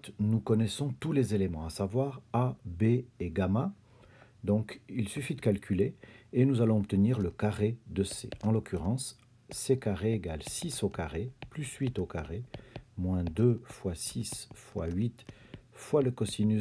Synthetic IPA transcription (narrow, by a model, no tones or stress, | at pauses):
t̪nukɔnɛsɔ̃t̪ulezelemɑ̃asavwaʁabeːɡama | d̪ɔ̃kilsyfid̪əkalkʲʰyleenuzalɔ̃ɔp̚t̪əniʁləkaʁed̪əsḛɑ̃lɔkʲyʁɑ̃sː | ekaʁeːɡalsisokaʁeplysɥit̪okaʁemwɛ̃d̪øfwasisfwa̰ɥit̪fwaləkɔsiny